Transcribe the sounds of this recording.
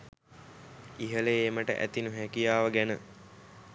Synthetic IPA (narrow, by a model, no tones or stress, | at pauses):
iɦəleeːməʈə̰ʔæ̰t̪inuɦækijaːʋəɡænə